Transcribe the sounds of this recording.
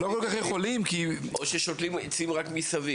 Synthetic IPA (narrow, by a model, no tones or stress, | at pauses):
lo̞ko̞lkaχjeχo̞limkioʃeʃot̪limet͡simʁakmisavi